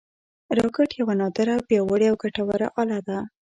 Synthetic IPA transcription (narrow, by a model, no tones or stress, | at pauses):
ɾɑkɪʈjawanɑd̪əɾabjɑwəɽeawɡaʈawaɾa̰ʔɑlad̪a